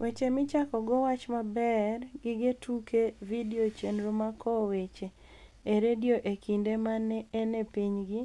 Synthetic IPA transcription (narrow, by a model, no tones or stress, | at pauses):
wʔet͡ʃemɪt͡ʃakɔɡɔwat͡ʃmabɛrɡɪɡetʰukevidiot͡ʃenɾomakʰɔwet͡ʃeː | ɾedjoʔekʰindemanɛnepiɲɡi